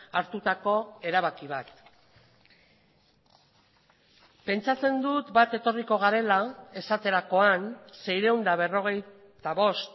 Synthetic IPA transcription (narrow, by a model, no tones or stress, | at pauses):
aɾt̪ut̪ako̞e̞ɾaβakiβ̞at̪ | pe̞nt͡sat͡se̞nd̪ut̪bat̪e̞t̪o̞riko̞ɣ̞aɾe̞lae̞sat̪e̞ɾako̞anse̞jɾe̞wnd̪aβ̞e̞ro̞ɣ̞e̞j | t̪aβo̞st̪